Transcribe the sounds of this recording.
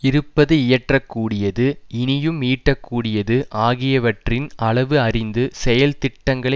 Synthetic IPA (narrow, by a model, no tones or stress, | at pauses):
ɪɾɯpːɐðɯɪjɐʈrɐkːuːɽɪjɐðɯɪnɪjɯmiːʈːɐkːuːɽɪjɐðɯʔaːɣɪjɐʋɐʈrɪnɐɭɐʋɯɐrɪnd̪ɯsɛjɐlt̪ɪʈːɐŋɡɐɭɐ